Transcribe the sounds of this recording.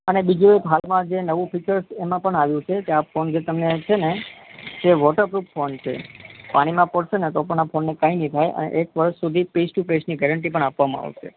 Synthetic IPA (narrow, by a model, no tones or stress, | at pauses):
ənebid͡ʒũekɦalmãd͡ʒenəʋũpɪt͡ʃəɾsemãpəɳaʋjũt͡ʃʰekeafond͡ʒet̪əmnet͡ʃʰened͡ʒ̪eʋɔʈəɾpɾupfont͡ʃʰḛpaɽ̃imãpəɽʃenet̪opəɳafʰonːekãinit̪ʰajʔə̰nḛʔekʋəɾʃːud̪ʱipesʈupesniɡɛɾəɳʈ̬ipəɳapʋamãa̰ʋʃḛ